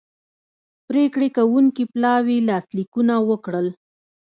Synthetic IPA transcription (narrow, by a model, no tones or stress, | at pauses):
pɾekɽekawuŋkiplɑwilɑslikunawəkɽəl